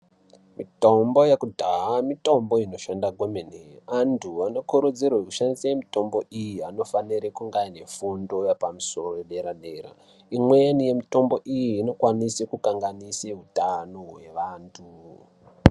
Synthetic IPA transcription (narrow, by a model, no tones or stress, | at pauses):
mito̞mbo̞jekudʱaɦamito̞mbo̞ino̞ʃandaɡʱomeneantʰuano̞kuɾud͡zirwoekuʃandisajemito̞mbo̞ʔijiano̞faniɾekuŋɡaine̞fundo̞japamuso̞roeɗeɾaɗera̰ | imweanije̞mito̞mbo̞ʔijiːno̞kwanisekukaŋɡaniseɦutanoɦwe̞̰ʋaːntʰu